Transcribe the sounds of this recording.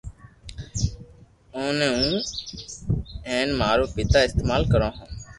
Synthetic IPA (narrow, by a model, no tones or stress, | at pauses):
õːnẽːũː | ẽːnmaːɾoːpɪt̪aːɪst̪eːmaːlkəɾõːɦõː